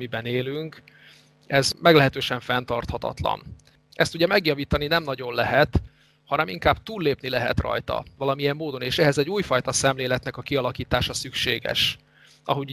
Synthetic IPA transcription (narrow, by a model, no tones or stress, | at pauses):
mibɛneːlyŋk | ɛzmɛɡlɛɦɛt̪øːʃɛɱfɛnt̪ɒrt̪hɒt̪ɒ̰t̪lɒ̰n | ʔɛst̪uɟɛmɛɡjɒviːt̪ɒninɛmnɒɟo̞nlɛɦɛt̪ | hɒnɛmiŋkaːb̥t̪uːlːeːpnilɛɦɛ̰t̪rɒ̰jt̪ɒ̰vɒlɒmijɛmːoːd̪o̞neːʃɛɦɛzɛɟuːjfɒjt̪ɒsɛmleːlɛt̪nɛkɒkiɒlɒkiːt̪aːʃɒsykʃeːɡɛ̰ʃ | ʔɒ̰ɦoɟ